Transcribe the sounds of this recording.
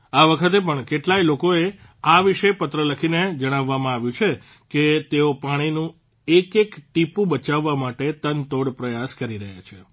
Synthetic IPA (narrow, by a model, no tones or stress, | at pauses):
aʋəkʰət̪epəɳkeʈlailokoe | aʋiʃepət̪ɾələkʰined͡ʒəɽ̃aʋːamãaʋjũt͡ʃʰe | ket̪eopaɽ̃inũ | ekekʈipũbət͡ʃaʋːamaʈet̪ənt̪oɽpɾəjaskəɾiɾəɦja̰t͡ʃʰe